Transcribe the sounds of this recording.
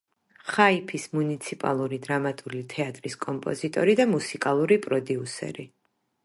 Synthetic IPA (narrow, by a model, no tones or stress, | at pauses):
χaipʰismunit̪sʰipʼa̰lˠuɾid̪ɾamat̪ʼulit̪ʰɛat̪ʼɾiskʼɔmpʼɔ̰zit̪ʼɔ̰ɾid̪amusikʼalˠuɾipʼɾɔd̪iusɛ̰ɾi